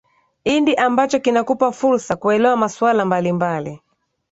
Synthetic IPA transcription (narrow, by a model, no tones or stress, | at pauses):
indiʔambat͡ʃɔkinakupafuɾsakuɛlɛwamaswalambalimbali